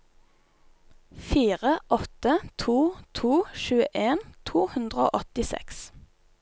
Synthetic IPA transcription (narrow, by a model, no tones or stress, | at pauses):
fiːʁəʔɔt̪ət̪ʰuːt̪ʰuːʃʉːə̰ʔeːnt̪ʰuːhʉnd̪ʁəo̰ːʔɔt̪ɪsɛ̰ks